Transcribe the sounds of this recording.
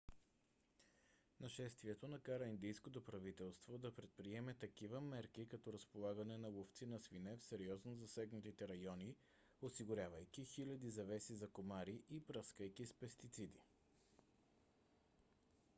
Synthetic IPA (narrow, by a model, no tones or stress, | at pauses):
nɐʃɛst̪viɛt̪onɐkaɾəind̪ijskot̪opɾɐvit̪ɛlˠst̪vod̪ɐpɾɛt̪̚pɾiɛmɛt̪ɐkivəmɛɾkikɐt̪ɔɾəspolˠaɡɐnɛnɐlˠoft̪sinɐsvinɛfsɛɾiɔznozɐsɛɡnɐt̪it̪ɛɾɐjɔni | osiɡʊɾʲjavəjkʲixilʲɐd̪izɐvɛsizɐkomaɾiʔibɾəskəjkispɛst̪it̪sid̪i